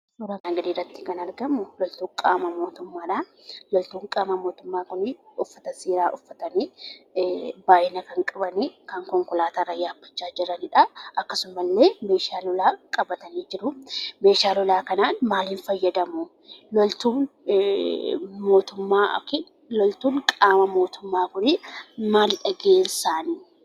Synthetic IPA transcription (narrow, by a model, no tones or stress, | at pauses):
suːɾɐaɡɐd̪iːrːɐt̪ːɪ̥kɐnɐɾɡɐmːʊlɔlt̪uːŋkʼaːmɐmo̞ːt̪ʊmːaːᶑɐː | lɔlt̪uːŋkʼaːmɐmo̞ːt̪ʊmːaːkʊnɪʊfːɐt̪ɐseːɾaːʔʊfːɐt̪ɐni | baːʔɪnɐkɐŋkʼɐbɐnikɐŋkɔŋkʊlaːt̪ɐrːɐjaːbːɐ̥t͡ʃːaːd͡ʒɪɾɐnɪᶑɐʔɐkːɐsʊmːɐlːe̞ːmeːʃaːlɔlaːkʼɐbɐt̪ɐniːd͡ʒɪɾʊme̞ːʃaːlɔlaːkɐnaːnmaːliːnfɐjːɐd̪ɐmʊ | lɔlt̪uːn | mo̞ːt̪ʊmːaːkɪ | lɔlt̪uːŋkʼaːmɐmo̞ːt̪ʊmːaːkʊnɪmaːlᶑɐɡe̞ːnsaːni